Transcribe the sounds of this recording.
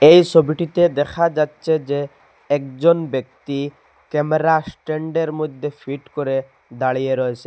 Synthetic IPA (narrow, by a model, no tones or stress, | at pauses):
ejsobiʈit̪ed̪ɛkʰad͡ʑatːʃʰed͡ʑe | ɛkd͡ʑonbek̚t̪i | kɛmeɾasʈeɳɖeɾmojd̪ʱːefʰiʈkoɾe | d̪aɭijeɾɔet͡ɕʰe